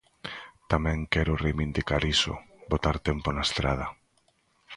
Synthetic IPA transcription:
t̪amɛ̃ŋkɛɾʊrejβind̪ikaɾiso̰bot̪aɾt̪ɛmponaest̪ɾað̞ɐ

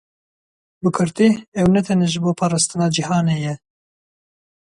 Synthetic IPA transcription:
bɨkʰɨɾt̪iɛwnɛt̪ʰɛnɛʒɨboːpʰɑːɾɑːst̪ɨnɑːd͡ʒihɑːneːjɛ

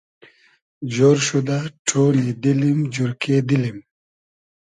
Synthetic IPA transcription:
d͡ʑoɾɕud̪aʈʰoːnid̪ilimd͡ʑuɾkeːd̪ilim

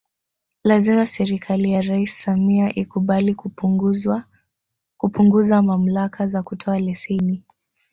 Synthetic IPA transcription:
lazimasɛɾikʰalijaɾaisːamiaʔikuɓali | kupuŋɡuzamam̩lakʰazakutʰɔalɛsɛni

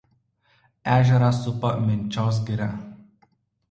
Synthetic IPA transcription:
æːʒʲɛɾɑˑsʊpɐmʲɪnʲˑt͡ʃʲoːs̬ɡʲɪɾʲɛ

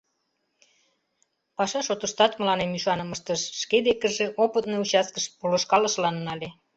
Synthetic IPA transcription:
pɑʃɑʃot̪ə̆ʃt̪ɑt̪mə̆lɑnemyʃɑnə̆məʃt̪əʃːked̪ekəʒĕʔopət̪̚nout͡ɕɑskəʃpuləʃkɑləʃlɑnnɑlʲe

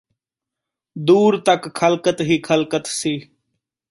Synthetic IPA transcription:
d̪uːɾt̪əkkʰəlkət̪ɦiːkʰəlkət̪siː

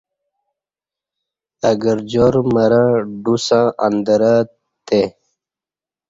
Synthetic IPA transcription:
əɡəɾd͡ʑoɾməɾãɖusãʔənd̪əɾa | t̪e

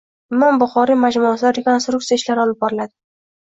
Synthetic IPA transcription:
mambʊχɒɾimad͡ʒmʊaslaɾɪkʲonst̪ɾʊk̚t̪ijaɪʃlaɾɪɒlˠɪp̚bɒɾɪlad̪ɪ̥

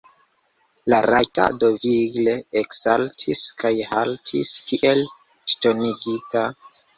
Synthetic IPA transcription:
laɾajta̰do̞viɡleeksaltʰiskʰajhaltʰiskiʔel | ʃtoniɡita

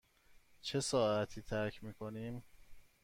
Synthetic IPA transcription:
t͡ʃʰe̞sɒːʔæt̪ʰiːt̪ʰæɾcʰmiːkʰo̞niːm

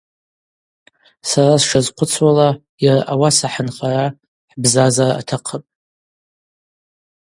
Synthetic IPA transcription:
sarasʂazqʷʰʊt͡sʰwala | jaraʔawasaħanχaɾa | ħbzazaraa̰tʰaqʰəpʼ

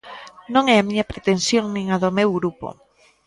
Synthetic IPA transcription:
nõŋɛamĩɲɐpɾet̪ẽnsjoŋnĩŋaðʊmewɣɾupo̰

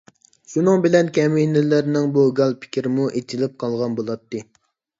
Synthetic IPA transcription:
ʃunɨŋbɪlɛnkʲʰɛminɪlɪɾnɪŋbuɡɑlˠpʰɪ̥kʲʰiɾɪmuʔet͡ʃʰilɪp̚qʰɑlˠʁɑnbolˠɑt̪ːɨ

